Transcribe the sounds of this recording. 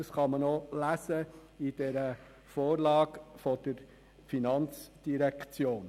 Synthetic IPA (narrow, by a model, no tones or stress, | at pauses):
ɑsχɑmənolæsə | id̥ɛɾə | foːɾlɑːɡfɔd̥əɾ | finɑnt͡sd̥iɾɛkt͡sjoːn